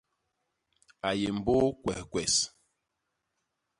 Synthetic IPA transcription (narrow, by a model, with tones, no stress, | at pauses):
a˨je˨m̩˨bo˦kwɛ˨hkwɛ˨s